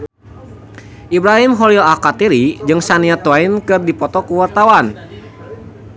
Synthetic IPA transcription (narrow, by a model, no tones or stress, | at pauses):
ʔibɾaɦimɦɔliɔakat̪iɾid͡ʒɨŋsaniat̪wainkɨrdipɔt̪ɔkuwart̪awan